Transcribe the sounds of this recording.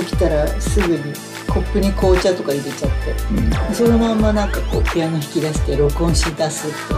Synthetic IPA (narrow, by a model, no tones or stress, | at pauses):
okʲi̥t̪aɾasɨɡɯ̟ɲ̟i | kʰo̞pːɯ̟ɲ̟iko̞ːt͡ɕat̪o̞kaiɾe̞t͡ɕat̪ːe̞d̪eso̞no̞mamːanãŋkako̞ːkʰejanoçi̥kʲid̪aɕi̥t̪eɾo̞kõ̞ɰ̃ɕid̪asɨt̪ːo